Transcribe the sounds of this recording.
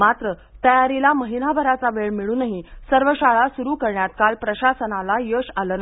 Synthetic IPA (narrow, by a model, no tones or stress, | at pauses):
mat̪ɾə | t̪əjaɾilaməɦinabʱəɾat͡saʋeɭmiɭuːnəɦisəɾʋəɕaɭasuɾuːkəɾɳjat̪̚kalpɾəɕasənalajəɕaləːna